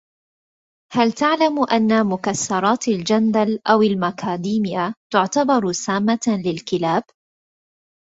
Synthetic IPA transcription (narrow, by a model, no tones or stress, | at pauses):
halt̪aʕlamʔanːamʊkasːɑɾˤɑːt̪ald͡ʒand̪alʔawalmakʰaːd̪iːmɪjat̪ʊʕt̪abɑɾˤsaːmːalɪlkɪlaːb